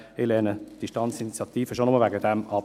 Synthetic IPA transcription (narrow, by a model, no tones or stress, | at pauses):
elɛnəd̥iʃtɑnt͡sinit͡sjɑt̪iːfəʃonʊməlʋæɡəd̥̪ɛmɑp